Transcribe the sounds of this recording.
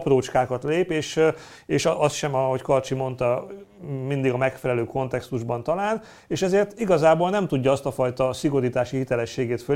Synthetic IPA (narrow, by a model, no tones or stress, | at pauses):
proːt͡ʃkaːkɒt̪leːpeːʃ | eːʃɒst̪ʃɛmɒɦo̞ckɒrt͡ʃimo̞nt̪ɒ | mind̪iɡɒmɛkfɛlɛløːko̞nt̪ɛkst̪uʒbɒnt̪ɒlaːn | eːʃɛzeːrt̪iɡɒzaːboːlnɛmt̪uɟːɒɒst̪ɒfɒjt̪ɒsiɡo̞ɾiːt̪aːʃihit̪ɛlɛʃːeːɡeːt̪fø